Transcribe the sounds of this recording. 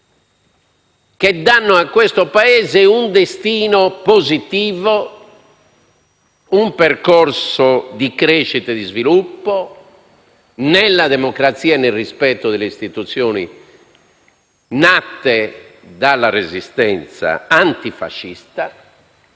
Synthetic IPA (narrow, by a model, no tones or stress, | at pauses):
k̟ed̪anːɔakːwɛst̪ɔpaɛːzeund̪est̪iːnɔpozit̪iːvɔ | umpɛrkɔrsɔd̪ikɾeːʃːit̪ɛd̪izvilupːɔ | nɛlːad̪ɛmɔkɾat̪siːaɛnːelrispɛt̪ːɔðɛleist̪it̪ut̪sːjɔːnḭ | nat̪ːɛd̪alːarezist̪ɛnt̪sa̰ant̪ifa̰ʃːist̪a